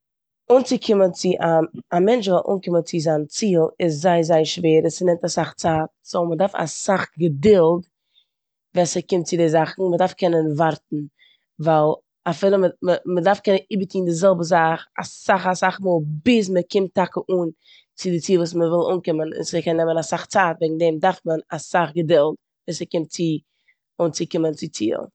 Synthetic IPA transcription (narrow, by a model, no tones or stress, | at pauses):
uːnt͡sɪkʰɪmənt͡sɪʔaamɛnt͡ʃvɛlˠʔṵːnkɪmənt͡sɪzaɪnt͡siːlˠɪs̬zaɪzaɪəʃveːɾəsənɛmtasaχt͡saːt̚somədaɾfa̰saχɡədɪlˠd | vɛːsəkɪmt̚t͡sɪdɛzaχn̩mədaɾfkɛnənvaɾtn̩ | vaɪlˠ | afiːlˠəməməmədaɾfkɛnəniːbətʰiːndɪzɛlˠbəzaχa̰saχasaχmuːlˠbɪs̬məkɪmtakəʔuːn | t͡sɪdɪt͡siːlˠvuːs̬məvɪlˠṵːnkɪmənɪ̰nsəkɛnːɛmənasaχt͡saːtvɛɡŋ̩dɛmdaɾfmənasaχɡədɪlˠt | vɛːsəkɪmt̚t͡sɪ | uːnt͡sɪkɪmənt͡sɪt͡sḭːlˠ